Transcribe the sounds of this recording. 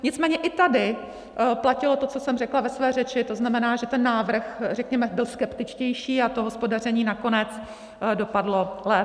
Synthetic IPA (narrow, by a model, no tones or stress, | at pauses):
ɲɪt͡smɛːɲɛʔɪt̪adɪ | placɪlo̞t̪o̞t͡so̞sɛmrɛklavɛsvɛːrɛt͡ʃɪt̪o̞znamɛnaːʒɛt̪ɛnːaːvr̩xrɛkɲɛmɛbɪlskɛpt̪ɪt͡ʃcɛjʃiːat̪o̞ɦospo̞dar̝ɛɲiːnako̞nɛt͡s | do̞padlo̞lɛ